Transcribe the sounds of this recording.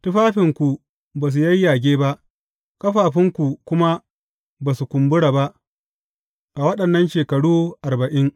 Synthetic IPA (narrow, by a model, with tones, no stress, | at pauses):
tʊ˦ɸaː˦ɸɪ˨ŋkʷu˨ | baː˨s̬u˨jɐ˦jːaː˨ɡʲeː˦ba˦ʔ | kɐ˦ɸaː˨ɸɪ˦ŋkʷu˨kʷʊ˦ma˦ | baː˨su˨kʷʊ˨mbʊ˦ɽaː˨ba˦ʔ | ʔa˨wɐ˦ɗɐ˨nːɐ˦nʃeː˨kɐ˨ɽuː˦ʔa˨rbɐ˨ʔɪ˦ŋ